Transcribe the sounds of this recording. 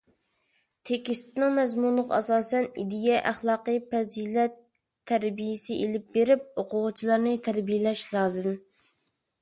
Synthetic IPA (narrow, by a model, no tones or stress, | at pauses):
t̪ʰekʲist̪nɪŋmɛzmunlˠʊqɑ̰sɑːsɛnḭd̪ijɛʔæχlˠɑːqəpɛzilɛt̪ʰː | æɾbijɪsɪʔelɪp̚beɾɪp̚oqʰʊʁʊt͡ʃʰilˠɑɾnɨt̪ʰæɾbijɪlɛʃlˠɑːzɨm